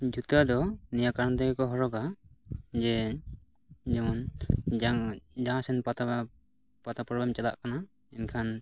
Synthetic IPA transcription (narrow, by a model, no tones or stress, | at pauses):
d͡ʒut̪ad̪ɔnijakaɾnt̪ɛɡɛkɔɦɔɾɔɡa | d͡ʒɛ | d͡ʒɛmɔn | d͡ʒaasɛnpat̪a | pat̪apɾɔblɛmt͡ʃala̰ʔkana | ɛnkʰan